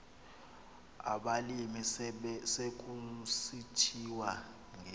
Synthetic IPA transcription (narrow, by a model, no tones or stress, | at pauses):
a̰ɓalimisek̬ʼusitʰiwa | ŋ